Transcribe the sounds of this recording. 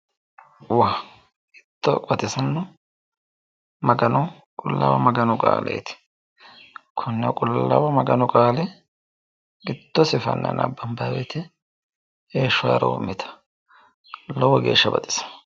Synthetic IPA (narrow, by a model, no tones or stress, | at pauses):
waː | ɪt̪ːɔkʼɐt̪ʼɪsɐnːɔ | mɐɡɐnɐ | kʼʊlːa̰ːwɐmɐɡɐnʊkʼa̰ːlɛ̰jt̪ɪ̥ | kʰʊnːɛkʼʊlːɐ̰wɐmɐɡɐnɔkʼaːlɛ | ɪt̪ːɔsɪfɐ̰nːɐ̰nɐ̰bːɐmbaːwɛt̪ɛ | eːʃːʊwa̰ːɾɐo̰mːɪt̪ʰɐ̥ | lɔwɔɡe̞ːʃːɐbɐ̰t̪ʼɪ̥sɐ̥